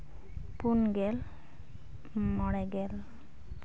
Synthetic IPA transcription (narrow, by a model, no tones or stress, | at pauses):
punɡɛl | mɔɽɛɡɛl